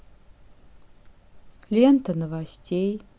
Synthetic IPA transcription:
lʲent̪ʰɐnɨvasʲtʲʰej

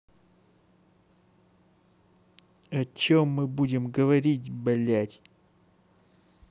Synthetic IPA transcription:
ɐt͡ɕomːɨbudʲɪmɡəvɐɾʲitʲbɐlʲætʲ

